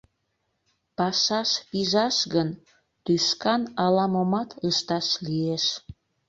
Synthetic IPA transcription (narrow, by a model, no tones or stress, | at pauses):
pɑʃɑʃpiʒɑʃɣən | t̪yʃkɑnɑlɑmomɑt̪ʰəʃt̪ɑʃlieʃ